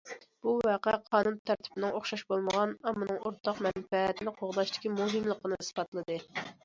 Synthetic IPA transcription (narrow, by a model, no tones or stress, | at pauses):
b̥uvɑqɛqʰɑːnunt̪ʰæɾt̪ʰɪ̥bɪnɪŋoχʃɑʃbolˠməʁɑnɑmːɨnɨŋoɾt̪ʰɑqmɛnfɛt̪ʰɪnɪqʰoʁd̪ɑʃt̪ɪ̥kʲimuɦɨmlˠəqːənɨsɨ̥pɑt̪lˠɨd̪ɨ